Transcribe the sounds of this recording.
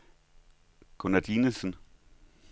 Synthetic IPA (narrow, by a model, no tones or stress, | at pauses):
kʰonæd̥iːnəsən